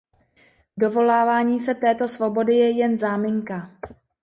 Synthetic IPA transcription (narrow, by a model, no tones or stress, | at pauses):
do̞vo̞laːvaːɲiːsɛt̪ɛːt̪o̞svo̞bo̞dɪjɛjɛnzaːmɪŋka